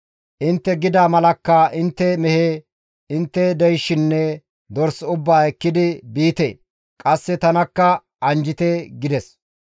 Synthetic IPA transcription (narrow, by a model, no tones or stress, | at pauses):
ʔɪnt̪ːɛɡɪd̪aːmɐlɐkːɐʔɪnt̪ːɛmɛheː | ɪnt̪ːɛd̪ɛjʃːɪnːɛ | d̪ɔɾsʊbːaːɛkːɪd̪ɪbiːt̪ḛː | kʼɐsːɛt̪ɐnɐkːɐ | ʔɐnd͡ʒɪt̪ɛɡɪd̪ɛs